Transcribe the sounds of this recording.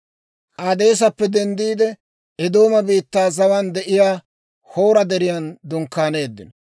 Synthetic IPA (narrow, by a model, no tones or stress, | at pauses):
ʔaːd̪e̞ːs̬ɐpːɛd̪ɛnd̪iːd̪ɛ | ɛd̪o̞ːmɐbiːt̪ːaːzɐwɐnd̪ɛʔɪjaː | ho̞ːɾɐd̪ɛɾɪjand̪ʊŋkːaːne̞ːd̪ːɪnɔ